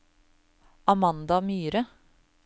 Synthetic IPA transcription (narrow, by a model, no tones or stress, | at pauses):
ʔɑmɑnd̪ɑmyːɾə